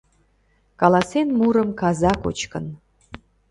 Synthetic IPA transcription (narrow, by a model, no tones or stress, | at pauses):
kɑlɑsenmuɾəmkɑzɑko̰t͡ɕkə̰n